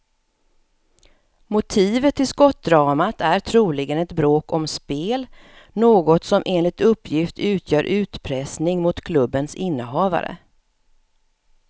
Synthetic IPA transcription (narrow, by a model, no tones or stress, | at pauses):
mʊt̪ʰiːvət̪ʰːɪskɔt̪̚ːd̪ɾɑːmat̪ʰæɾʈʰɾuːlɪɡənɛt̪bɾoːkɔmspeːl | noːɡɔt̪sɔmʔeːnlɪt̪ɵpːjɪft̪ʰʉ̟ːt̪tʰjœːɾʔʉ̟ːt̪pʰɾɛsnɪŋmʊt̪kʰlɵbːənsɪnːəɦɑːva̰ɾə̰